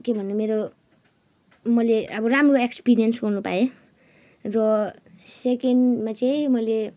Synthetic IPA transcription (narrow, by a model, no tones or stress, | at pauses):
kebʱʌnemeɾo | mʌleʌbʌramroekspiɾijʌnsɡʌrnupa̰e | rʌ | sekeɳmat͡saĩmʌjle